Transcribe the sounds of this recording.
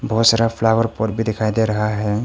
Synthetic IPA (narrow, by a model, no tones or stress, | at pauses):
bʱɔsəɾapʰlawəɾpɔɾ̚bʱid̪ekʰajd̪eɾəɦaɦɛ